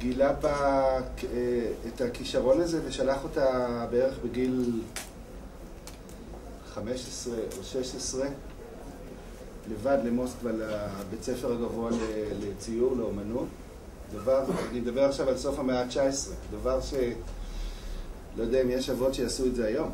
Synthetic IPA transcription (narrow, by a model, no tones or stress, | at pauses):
ɡilaba | eetakiʃaʁo̞naze̞ve̞ʃalaχo̞tabeeʁeχbeɡil | χame̞ʃesʁeʔoʃe̞ʃesʁe̞ | le̞vadle̞mo̞skvalabet͡sefeʁhaɡavoalelet͡sijuʁle̞omanut | d̪avaʁnid̪abeʁaχʃavalso̞fhameat͡ʃaesʁedavaʁʃe̞ | lojodeaimjeʃavo̞tʃeasueze̞ajo̞m